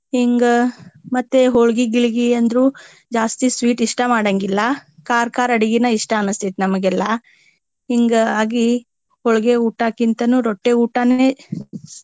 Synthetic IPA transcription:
hiŋɡɐmɐt̪ːeɦɔɭɡiɡiɭiɡiɐnd̪ɾu | d͡ʒaːst̪isʋiːʈiʂʈɐmaːɽɐŋɡilːɐkaːɾkaːɾɐɽiɡinɐiʂʈɐɐnɐst̪it̪enɐmɐɡɛlːɐ | ɦiŋɡaːɡi | hɔɭɡeuːʈaːkint̪ɐnuːɾɔʈːeuːʈaneː

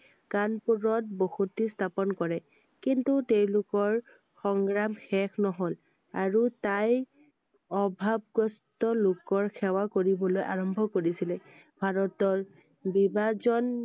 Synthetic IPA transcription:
kanpuɹɔt̚bohutistʰapɔnkɔɹɛ | kintutewlʊkɔɹ | xɔŋɡɹamxɛkʰnɔɦol | aɹutaj | ɔbʱab̚ɡɔstɔlʊkɔɹxʰɛwakoɹibɔlojʔaɹɔmbʱɔkoɹisilɛ | bʱaɹɔtɔɹ | bibazɔn

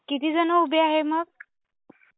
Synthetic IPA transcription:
kit̪iːd͡zənəubeaɦeməɡ̚

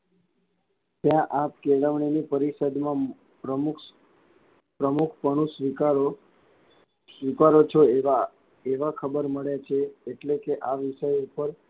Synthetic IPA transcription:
t̪jãʔap̚keləʋɳinipəɾisəd̪mã | pɾəmk | pɾəmukʰpəɽ̃usʋikaɾo | sʋikaɾot͡ʃʰoa | eʋakʰəbəɾməɭjat͡ʃʰeeʈlekeʔaʋɪʃəjupəɾ

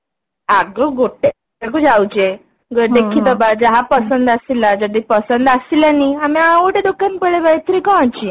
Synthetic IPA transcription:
aɡəɡoʈːe | aɡəd͡ʑawt͡ɕe | ɡəd̪ekʰiːt̪əbad͡zaɦapəsənd̪asilad͡ʑəd̪ipəsənd̪asilaniamĩaʋoʈed̪okːanpəɭeʋəjt̪əɾikɔ̃at͡ɕi

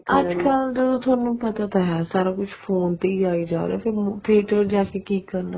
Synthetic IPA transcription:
əd͡ʒkəld͡ʒəd̪õːt̪ʰʊaːnũːpət̪aːt̪aɦɛːsaːɾaːkʊt͡ʃʰpʰoːnt̪eiaːiːd͡ʒa̰ːɾḛɛːpʰɪɾp̪ʰiːʈəɾd͡ʒaːkeːkiːkːəɾna

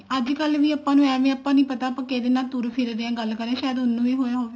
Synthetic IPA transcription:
əd͡ʒkəlʋiːəːpːãːnũːɛ̃ːʋẽəpːãːnĩːpət̪aːpə̃ːkeːd̪eːnaːt̪uːɾpʰɪɾɾeãːɡəlkəɾeãʃaːjəd̪ɦʊnːũːʋiːɦoːjaɦoːʋeː

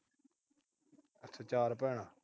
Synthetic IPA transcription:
ət̪ʰət͡ʃaːɾpɛːɳaː

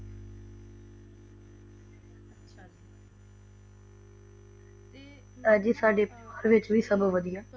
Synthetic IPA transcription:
əd͡ʒisaːɖepəɾʋɪt͡ʃʋiːsəbʱʋəd̪ijaː

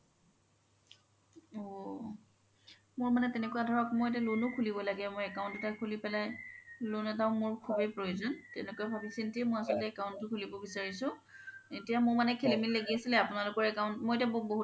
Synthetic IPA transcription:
ɔ | mʊɹmanɛtɛnɛkʊadʱɔɹakmojet̬alunʊkʰulibɔlaɡɛmojɛkaʊ̃ntʊtajkʰulipɛlajlunɛtaʊmʊɹkʰubejpɹojozɔntɛnɛkojabʱabisintiɛmojasɔltɛɛkaʊ̃ntʊkʰulibɔbisaɹisʊ̃ | etijamʊɹmanɛkʰelimilleɡiasilɛapʊnalʊkɔɹɛkaʊ̃ntmojetjaboboɦu

